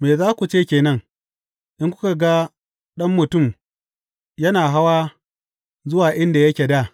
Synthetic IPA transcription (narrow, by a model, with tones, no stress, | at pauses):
meː˨zaː˦kʷu˨t͡ʃeː˦˨kʲeː˨nɐ˦ŋ | ʔɪ˦ŋkʷʊ̥˦ka˨ɡa˦ | ɗɐ˦mːʊ˨tʊ˦˨m | jɐ˦naː˨ɦa˦waː˦ | zʊ˦waː˨ʔɪ˦nda˨jɐ˦kʲeː˨da˦˨